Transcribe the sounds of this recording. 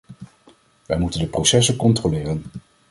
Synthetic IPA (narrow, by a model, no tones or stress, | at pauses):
ʋɛ̰jmutəndəprosɛsəkɔntrolɪːrən